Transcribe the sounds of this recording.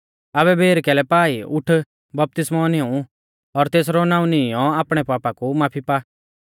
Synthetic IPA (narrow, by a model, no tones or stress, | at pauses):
abɛbʱeːɾkɛːlɛpaːiʊʈʰ | bɐp̚t̪ɪsmɔnɪ̃ũ | ɔɾt̪eːs̬ɾɔnaːũnɪ̃jɔaːpɽ̃ɛpaːpakumaːpʰipa